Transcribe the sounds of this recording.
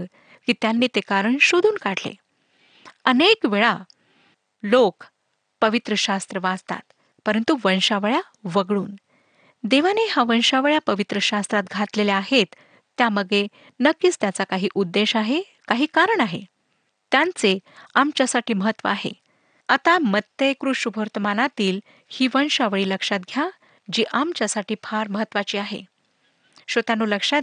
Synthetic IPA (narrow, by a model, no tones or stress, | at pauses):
kiːt̪janːiːt̪ekaɾəɳɕod̪ʱuːnkaʈlḛ | ənekʋeɭa | lok | pəʋit̪ɾəɕast̪ɾəʋad͡zt̪a̰t̪ | pəɾənt̪uʋənɕaʋɭja | ʋəɡɭuːn | d̪eʋanehaʋəɳɕaʋɭjapəʋit̪ɾəɕast̪ɾat̪ɡʱat̪leleaɦet̪ː | jaməɡɭe | nəkːist̪jat͡sakaɦiːʔud̪ːeɕaɦe | kaɦiːkaɾəɳaɦḛ | t̪jant͡seamt͡ɕjasaʈiːməɦət̪ːʋə̰aɦḛ | at̪amət̪ːəjkɾuɕubʱəɾt̪əmanat̪iːl | hiːʋənɕaʋɭiːləkʂat̪̚ɡʱja | d͡ʑiːʔamt͡ɕjasaʈiːpʰaɾməɦət̪ːʋat͡ɕiːaɦḛ | ɕət̪anːuːləkʂa